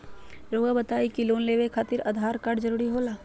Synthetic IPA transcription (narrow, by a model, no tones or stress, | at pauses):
ɾoːɡabət̪aːikiloːnleːʋekʰaːt̪ɪɾa̰ːd̪ʱaːɾkaːɾɖd͡ʒəɾuːɾiɦoːlaː